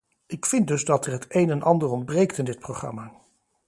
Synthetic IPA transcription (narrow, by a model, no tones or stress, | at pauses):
ʔɪkfɪnt̚dɵzdɑtərɦətejnɛnʔɑndəɹɔnd̚brejktɪndɪt̚prowχrɑ̰maː